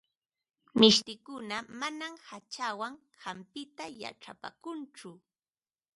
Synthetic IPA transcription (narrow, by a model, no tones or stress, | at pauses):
mɪʃt̪ɪkʊnamanamhat͡ʃawaŋ | hampɪt̪aja̰ʈ͡ʂa̰pa̰kʊnt͡ʃʊ